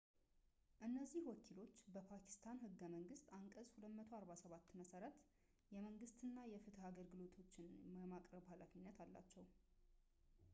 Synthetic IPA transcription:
ʔɨnːəzːihwɔkʰilo̞t͡ʃːbəpʰakʰi̥st̪ʰanhɨɡːəməŋɡɨst̪aŋkʼəshulət̪mːət̪ʰoaɾβasəβat̪ːməsəɾət̪ | jɛməŋɡɨst̪ɨnːajɛfɨt̪ʰhaɡəlɡɨlo̞t̪ʰo̞t͡ʃːɪnəmakʼɾəβhalafinːət̪ʰalːa̰t͡ʃːɛw

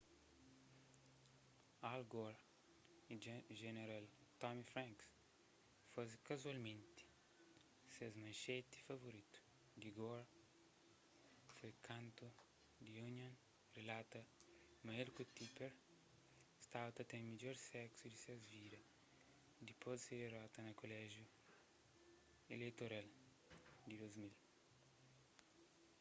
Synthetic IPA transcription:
alɡoɾ | ʒeneɾalt̪ɔmifɾãŋks | fazikɐzualmẽnt̪i̥ | sewzmɐ̃ʃɛt̪i̥fɐvoɾit̪u̥ | d̪iɡoɾ | fojkãnt̪u | d̪iunjõn | relat̪ɐmaelkut̪ipeɾ | st̪awt̪ɐt̪ɛ̃mid͡ʒɔɾsɛksud̪isɛzvid̪ɐ | d̪ipʰɔd̪seɾeɾat̪ɐnɐkolɛʒju | elejt̪oɾal | d̪id̪ozmil

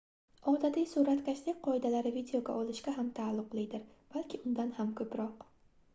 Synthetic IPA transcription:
ɒd̪ad̪ɪsuɾat̪kʲʰaʃlɪk̚ʲqʰɒɪd̪alaɾɪvid̪eoɡʲa̰ʔɒlˠɪʃɡʲaɦamt̪ʰalˠːʊqlˠɪjd̪ɪɾb̥alkʲɪʊnd̪anhamkʰɵpɾɒq

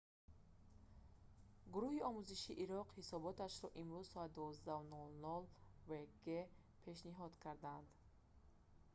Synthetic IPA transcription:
ɡuɾuhiɔmuziʃiʔiɾɔqhisɔbɔt̪aʃɾɔʔimɾuzsɔat̪̚d̪uvɔzd̪aunɔlnɔlveɡe | pʰe̞ʃniɦɔd̪kʰaɾd̪and̪

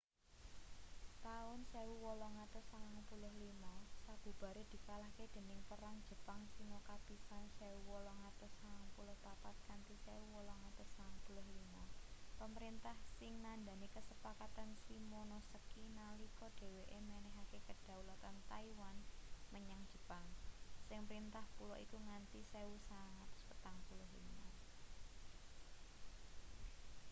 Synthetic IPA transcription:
t̪aʊnsɛwuwɔlɔŋat̪əsaŋaŋpulʊɦlimasab̥ṳb̥a̤ɾed̪̥i̤kalahked̪̥e̤nɪŋpəɾaŋd̥ʒ̥ə̤paŋsiŋokab̥isansɛwuwɔlɔŋat̪əsaŋaŋpulʊhp̪apat̪̚kant̪isɛwuwɔlɔŋat̪əsaaŋpulʊhlimapəməɾint̪ahsɪŋnanda̤nikəsəpakat̪ansimonosəkinalikoɖ̥e̤weʔemɛnɛɦakekəd̥a̤ulat̪ant̪aiwanməɲaŋd̥d͡ʒ̥ə̤paŋsɪŋpəɾint̪ahpulɔʔik̪uŋant̪isewusaŋat̪ɔ̥spət̪aŋpulɔɦlḭma

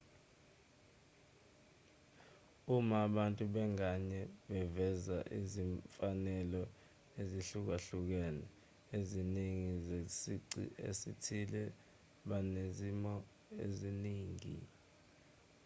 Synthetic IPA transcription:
umaɓantʼuɓɛŋaɲɛɓɛvɛza̰ʔiziɱfanɛlɔ | eziɬuk̬aɬuk̬ɛnɛ | eziniŋizesiǀḭḛsitʰilɛ | ɓanezimɔ | ḛziniːŋḭ

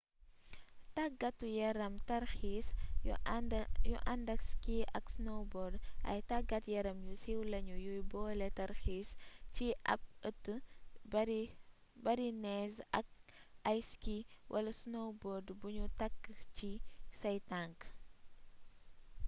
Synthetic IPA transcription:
tɐkɡɐtːujɛɾɐmtɐɾxis | jṵʔɐndɐkskiʔɐksnɔwbɔrdʔɐ̰jtɐɡɐtjɛɾɐmjusiwlɐɲujujbɔːlɛtɐɾxisciɐ̰p̚ətːəbɾ | bɐɾinɛːzɐ̰k̚ɐjskiwʔɐlɐsnɔwbɔrdbuɲutɐkːcisɐjtaŋk

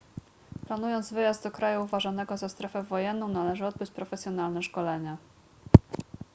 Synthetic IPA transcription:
planujɔnd̪zvɘjazd̪̚d̪ɔkɾajuːvaʐanɛɡɔzast̪ɾɛfɛvɔjɛnːɔ̃w̃nalɛʐɘɔd̪̚bɘt͡ɕpɾɔfɛsʲjɔnalnɛʂkɔlɛɲɛ

